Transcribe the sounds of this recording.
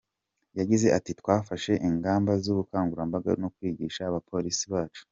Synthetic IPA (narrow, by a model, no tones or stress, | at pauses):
jaɟize̞ʔatitkwaːfaʃe̞ʔiŋɡaːmbazuβukaːŋɡuɾambaɡa̰nokwiːɟiːʃaːβapʰo̞ɾisiβaːt͡ʃu̥